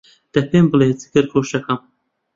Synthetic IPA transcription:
d̪̥ɐpeːmbɨleːt͡sɨ̥kɨɾkʰoːʃɐkɐm

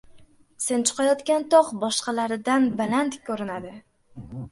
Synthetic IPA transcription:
se̞nt͡ʃʰʊ̥qʰɑjɒt̪kʲant̪ʰɒqbɒʃqɑlaɾɪd̪anbalant̪kʲʰːɵɾɪnad̪ɪ

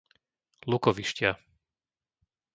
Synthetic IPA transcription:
lukɔʋiʃcɪa

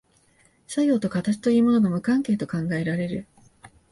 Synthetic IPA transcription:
sajo̞ːt̪o̞kat̪at͡ɕi̥t̪o̞jiːmo̞no̞ɡamɯ̟kãŋke̞ːt̪o̞kãŋɡae̞ɾaɾe̞ɾɯ̟̰

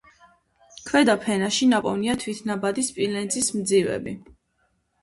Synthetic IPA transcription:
kʰwɛd̪apʰɛnaʃinapʼɔvniat̪ʰwit̪ʰnabad̪ispʼilɛnt̪zʼismd̪zivɛ̰bi

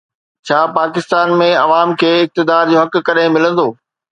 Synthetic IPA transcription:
t͡ɕʰaːpaːkɪst̪aːnmẽɐʋaːmkʰeːɪk̚t̪ɪd̪aːɾd͡ʑoːɦɐk̆kɐɗẽmɪlə̃nd̪oː

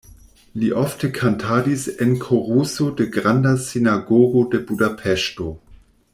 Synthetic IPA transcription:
liʔɔftʰəkʰantʰaːdisɪnkʰoʁusodeɡʁandasinaɡoːɡodɛbudapʰɛʃto

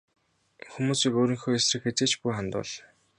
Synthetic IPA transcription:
xumuːsiːkoːɾiːŋxoːesrɘ̆xet͡seːt͡ɕpujχant̪ʊ̰ːɮ

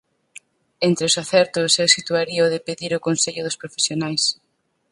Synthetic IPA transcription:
ent̪ɾɪʊsaθɛɾt̪ʊsɛwsit̪uaɾiɐoðɪpeðiɾʊkonseʎʊðʊspɾofesjonajs

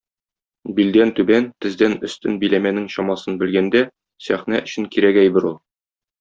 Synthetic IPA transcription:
bild̪ænt̪ʉbænt̪ɘ̆zd̪ænɵ̆st̪ɘnbilæmænɘŋɕɒmɑsɤnbɘ̆lɡænd̪æ | sæχnæʔɵ̆ɕɘŋkiɾæɡæjbɘɾulˠ

